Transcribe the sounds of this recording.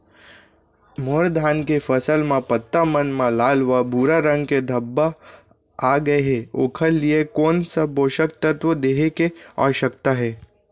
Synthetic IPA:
moɾd̪ʱaːnkefəsəlmãpət̪ːamənmãlaːlʋabʱuɾaɾə̃ŋɡked̪ʱɐbːa | aɡɐeɦeo̰ːkʰəlːiekoːnsaboːʃək̚t̪ət̪ʋəd̪eːɦekea̰ːʃəkt̪aɦɛː

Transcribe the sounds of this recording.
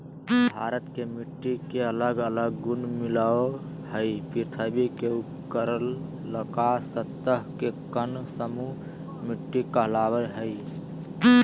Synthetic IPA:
bʱaɾət̪kemiʈːikeələɡələɡːunmilao | həjpʰiɾt̪ʰəbikeupkəɾəlː | əkasət̪ːəɦkekənsəmu | miʈːikəɦlabəlɦəj

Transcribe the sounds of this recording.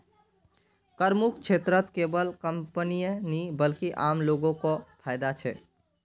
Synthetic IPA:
kəɾmukʰt͡ʃʰet̪ɾət̪kebəlkəmpənijənibəlkiʔamloɡõkɔpʰajd̪at͡ʃʰɛ

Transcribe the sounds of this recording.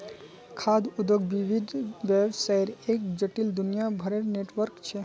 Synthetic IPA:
kʰad̪ud̪əɡʋiʋid̪ʋɛʋsəiɾekd͡ʒəʈild̪unijabʱəɾeɾneʈʋəɾkt͡ʃʰe

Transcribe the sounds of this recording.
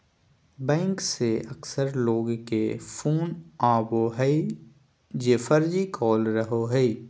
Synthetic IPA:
bɛ̃ːŋkseəksəɾloːɡkepʰuːnaːboɦɛi | jeːfəɾd͡ʒikʰɔːlɾəɦoɦɛi

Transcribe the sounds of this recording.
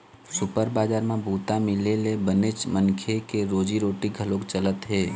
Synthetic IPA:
sʊpəɾbaːd͡ʒaːɾmãbuːt̪amɪlelebənet͡ʃmənkʰekeɾoːd͡ʒiɾoːʈiɡʱəlokt͡ʃələt̪ɦeː

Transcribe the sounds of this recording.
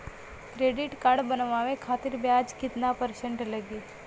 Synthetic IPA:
kɾeːɖɪʈkaɽbənʋaːʋẽkʰaːt̪ɪɾbjaːd͡ʒkɪt̪napəɾsə̃ɳʈləɡeː

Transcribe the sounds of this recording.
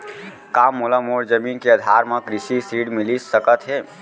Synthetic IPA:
kamːoləmoɽd͡ʒəminkeəd̪ʱaɾmẽkɾisisɾiɽmilisəkət̪ɦe

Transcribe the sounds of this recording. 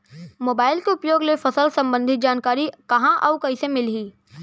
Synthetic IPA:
moːbaːɪlkeʊpjoːɡlefɐsəlsɐ̃mbə̃nd̪ʱɪt̪̚d͡ʒaːnkaːɾikɐɦãʔaːʊkɐɦisemɪlɦiː

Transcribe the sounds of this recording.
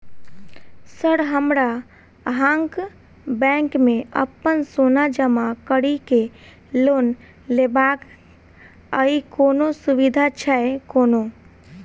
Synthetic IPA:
səɾɦəmɾa | ɦãŋk | bɛ̃ŋkmẽə̰pːənsonad͡ʒəmakəɽike | loːn | lebak | əikonosuʋid̪ʱat͡ʃʰɛekono

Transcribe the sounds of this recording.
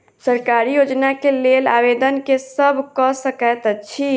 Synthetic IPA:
səɾkaːɾijoːd͡ʒnakeleːla̰ːʋeːd̪ənkesəbʱkɔsəkɛt̪ətːʃʰi

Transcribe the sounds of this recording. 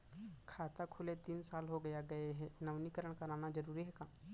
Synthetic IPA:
kʰaːt̪akʰʊlet̪iːnsaːlɦoɡɐjaɡɐeɦɛnɐʋnikəɾəɽ̃kɐɾaːnad͡ʒɐɾuːɾiɦɛkaː

